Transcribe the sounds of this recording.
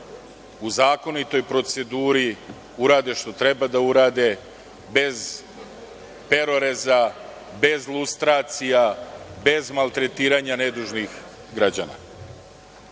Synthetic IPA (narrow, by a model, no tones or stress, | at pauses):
uzaːko̞nit̪o̞jpɾo̞t̪se̞d̪uːɾi | uɾaːd̪e̞ʃt̪o̞t̪ɾe̞bad̪auɾaːd̪e̞ | be̞z | pe̞ɾo̞ɾeza | be̞zlˠust̪ɾaːt̪sijabe̞zmalˠt̪ɾe̞t̪iːɾaːɲane̞d̪uːʒnix | ɡɾad͡ʑa̰na̰